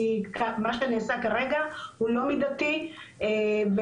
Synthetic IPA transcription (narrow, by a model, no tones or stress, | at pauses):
ikʰamaʃeniːsakaʁeɡahulo̞mid̪at̪ieve